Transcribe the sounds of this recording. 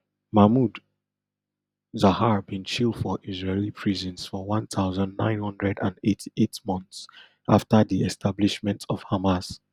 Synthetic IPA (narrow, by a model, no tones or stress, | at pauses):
mamud | zahaɹbĩnt͡ʃilˠdfɔʔizɹelipʰɹizɔ̃nsfɔwɔ̃nt̪ʰaʊzə̃ndnã̰ɪ̃nhʌ̃ndɹɛdãndetʰi̥ʔetmɔ̃nθs | ʔaftəðiɛstʰabliʃmɛ̃ntʰɔv̥hamas